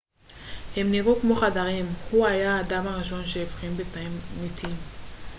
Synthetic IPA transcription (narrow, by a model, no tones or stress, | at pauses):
hemniʁukmo̞χad̪aʁimhuajaad̪amaʁiʃo̞nʃeefχimbet̪aimmit̪ʰim